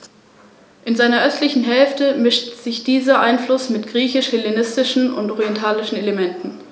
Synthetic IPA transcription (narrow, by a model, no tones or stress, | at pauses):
ʔɪnzaɪnɐʔœstlɪçn̩ɦɛlftəmɪʃtz̥ɪçd̥iːzɐʔaɪnflʊsmɪtɡ̥ʁiːçɪʃhɪlenɪstɪʃn̩ʊ̰ntʔɔʁiɛntʰaːlɪʃn̩elemɛntn̩